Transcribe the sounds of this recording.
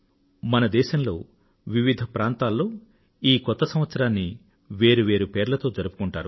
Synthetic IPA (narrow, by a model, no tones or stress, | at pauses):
mɐnɐd̪ɛːʃɐmlo̞ː | ʋiʋid̪ʱɐpɾaːnt̪aːlːo̞ː | iːkɔt̪ːɐsɐmʋɐt̪sɐɾaːnːi | ʋeːɾuʋe̞ːɾupe̞ːɾlɐt̪o̞ːd͡ʒɐɾupu̥kuɳʈa̰ːɾu